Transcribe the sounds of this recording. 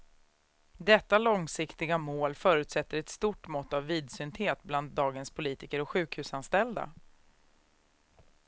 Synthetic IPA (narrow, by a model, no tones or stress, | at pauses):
d̪ɛt̪ːalɔŋsɪkt̪ɪɡamoːlfœːɾɵʉ̟ːt̪sɛt̪ːəɾɛt̪st̪uʈmɔt̪ːavːiːd̪sʏnt̪heːt̪̚bland̪ːɑːɡənspʰʊliːt̪ɪkəɾɔkɧʉ̟ːkhʉ̟ːsanst̪ɛld̪a̰